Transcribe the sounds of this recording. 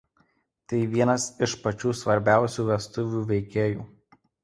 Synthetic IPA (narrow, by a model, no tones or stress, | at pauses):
t̪ɐɪʋʲiɛnɐsɪʃpɐt͡ʃʲuːsʋɐɾʲbʲæˑʊsʲuːʋʲɛst̪ʊʋʲuːʋʲɛɪkʲeːjuː